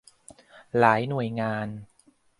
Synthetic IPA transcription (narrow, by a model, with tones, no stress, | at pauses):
laː˩˦jnu˨˩əjŋaː˧n